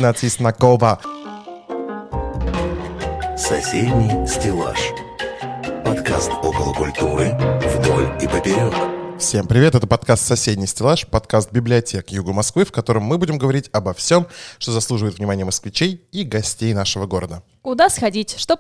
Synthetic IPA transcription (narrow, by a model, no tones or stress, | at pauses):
nat̪sɪsnɐkovə | sɐsʲedʲnʲijsʲtʲɪlˠa̰ʂ | pɐt̪ka̰st̪okəlˠəkʊlʲt̪uɾɨvɪd̪o̰lʲibəpʲɪɾʲonəfsʲe̞mpɾʲɪvʲe̞t̪ɛt̪əpɐt̪kast̪sɐsʲedʲnʲɪjsʲtʲɪlˠaʂpɐt̪kast̪̚bʲɪblʲɪɐtʲʰe̞kjuɡəmɐskvɨfkɐt̪o̞ɾəmːɨbudʲɪmɡəvɐɾʲitʲɐbɐfsʲo̞mʂt̪o̞zɐslˠuʐɨvəɪt̪vnʲɪmanʲɪjəməskvʲɪt͡ɕejiɡɐsʲtʲejnaʂəvəɡo̞ɾəd̪ə | kʊd̪asxɐdʲitʲʂt̪o